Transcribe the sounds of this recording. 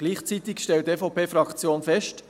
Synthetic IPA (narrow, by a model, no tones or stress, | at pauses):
ɡ̥liːχt͡sit̪ɪkʃtɛlteːfɔpʰeːfɾɑkt͡sjoːnfɛʃt